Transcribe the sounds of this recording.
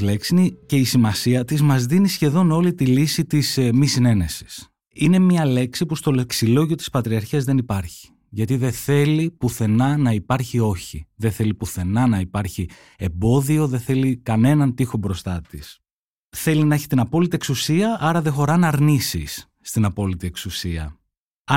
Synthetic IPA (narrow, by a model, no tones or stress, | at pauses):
leksinice̞isimɐsiɐt̪izmɐzðinisçe̞ðo̞no̞lit̪ilisit̪ismisine̞ne̞si̥s | ine̞mɲɐle̞ksipust̪o̞lksilo̞ʝio̞t̪i̥spɐt̪ɾiɐɾçiɐzðe̞nipɐɾçi̥ | ʝɐt̪iðe̞θe̞lipuθe̞nɐnɐipɐɾçio̞çiðe̞θe̞lipuθe̞nɐnɐipɐɾçi | e̞mbo̞ðio̞ðeθe̞likɐne̞nɐnt̪ixo̞bɾo̞st̪ɐt̪is | θe̞linɐeçi̥t̪inɐpo̞lit̪ie̞ksusiɐʔɐɾɐðe̞xo̞ɾɐnɐɾnisḭsː | t̪inɐpo̞lit̪ie̞ksusiɐ̰